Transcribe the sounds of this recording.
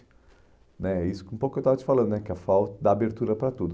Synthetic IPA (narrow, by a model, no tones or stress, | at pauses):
nɛɛisʊ̥kũpokʊkewt̪avɐt͡ʃɪ̥falɐ̃nd̪ʊnɛkɪɐfawt̪ɐd̪ɐːbeɾt̪uɾɐpɾɐt̪ud̪